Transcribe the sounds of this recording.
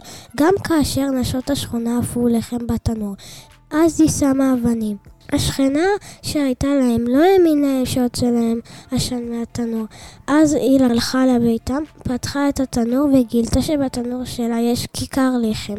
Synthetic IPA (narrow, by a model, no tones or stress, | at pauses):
ɡamkʰaːʃe̞ʁnaʃo̞taʃχonaːfuleχe̞mbatanuʁ | ʔazisamaːvanimaʃχenaʃeajtalaemlo̞eminaeʃeot͡selaemaʃanmeatanuʁʔazilalχalebejtampatχaetatanuʁveɡiltaʃebatanuʁʃelajeʃkʰikaʁleχem